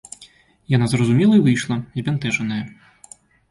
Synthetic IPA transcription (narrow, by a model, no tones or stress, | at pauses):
janazrɐzumʲɛlˠɐivɨjʂlˠɐzʲbʲɛnt̪ɛʐɐnɐjɐ